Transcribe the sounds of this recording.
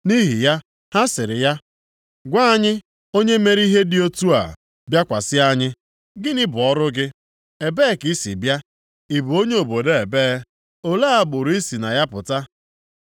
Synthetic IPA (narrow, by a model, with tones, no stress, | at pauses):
ni˦ɦi˨ja˦ | ha˦sɪ˨ɾɪ˨ja˦ | ɡʷa˦ɲɪ˦ | o˦ɲe˦me˦ɾi˦ɦe˦dɪ˦o˦tu˦a̰˨ | bja˦kʷa˨sɪ˦a˦ɲɪ˦ | ɡɪ˦nɪ˦bʊ˨ɔ˦ɾʊ˦ɡɪ˦ | e˨beː˦ki˦sḭ˨bja˦ | i˨bu˨o˦ɲe˦o˨bo˨de˦e˨be˦ | o˨la˦a˦ɡ͡bʊ˨ɾʊ˨˦i˦si˨na˨ja˦pʊ̰˨ta˦